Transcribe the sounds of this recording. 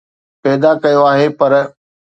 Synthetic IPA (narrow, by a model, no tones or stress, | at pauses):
pɛːd̪akɐjoaːɦepɐɾ